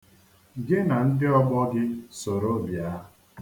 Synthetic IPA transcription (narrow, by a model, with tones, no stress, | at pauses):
ɡɪ˦na˨n̩˦dɪ˦ɔ˦bɔ˦ɡɪ˦so˨ɾo˦˨bja˨˦